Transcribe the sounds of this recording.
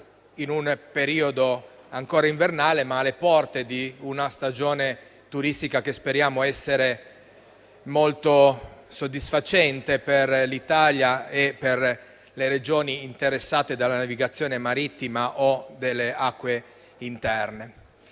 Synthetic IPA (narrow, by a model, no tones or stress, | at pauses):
inunpeɾiːod̪oaŋkoːɾaiɱvernaːlemaːlːepɔrt̪ed̪iunast̪ad͡ʒoːne | t̪uɾist̪ikak̟espeɾjaːmoɛsːeɾe | molt̪osod̪ːisfat͡ʃɛnt̪eperlit̪aːljaeper | leɾed͡ʒoːniːnt̪eɾesːaːt̪ed̪alːanaviɡat̪sːjoːnemaɾit̪ːimaʔod̪elːeakːwe | int̪ɛrne